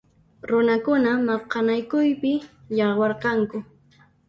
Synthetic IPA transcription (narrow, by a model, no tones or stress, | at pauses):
ɾʊnakʊnamɑqɑnajkʊjpɪjɑwɑɾqɑŋkʊ